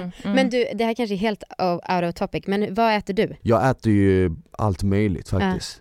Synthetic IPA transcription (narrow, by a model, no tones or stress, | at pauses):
mɛnd̪ɵd̪ɛhæːɾkʰanʂ̬əæɾɦeːlt̪aa̰ʊɾaɔt̪ʰɔpːɪkːmɛnvaɛːt̪əɖɵjɑːɡɛːt̪əɾjɵa̰lt̪mœjlɪ̰t̪fak̚ːt̪ɪst̪